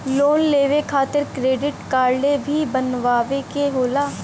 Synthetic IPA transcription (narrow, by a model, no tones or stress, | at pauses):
loːnleːʋekʰaːt̪ɪɾkɾeːɖɪʈkaːɾlebʱibənʋaːʋekeɦoːlaː